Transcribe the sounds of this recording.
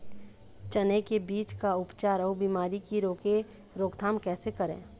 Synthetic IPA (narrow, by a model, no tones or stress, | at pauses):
t͡ʃənekebiːt͡ʃkaʊpt͡ʃaːɾɔːbiːmaːɾikiɾoːke | ɾoːkt̪ʰaːmkɛːsekəɾḛ̃ː